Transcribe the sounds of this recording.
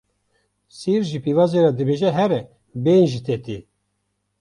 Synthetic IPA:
siɾʒipivɑzeɾad̪ɨbeʒɛɦɛɾɛ | benʒit̪ʰɛt̪i

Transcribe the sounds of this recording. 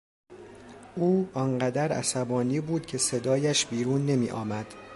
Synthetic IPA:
ʔuːɒŋɢæd̪æɾæ̰sæbɒːniːbuːd̪̥cʰe̞se̞d̪ɒːjæʃbiːɾuːnːe̞miːʔɒ̰ːmæd̪̥

